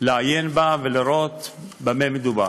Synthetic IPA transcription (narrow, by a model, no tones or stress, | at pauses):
leajenbaveliɾo̞t̪bamemed̪uba̰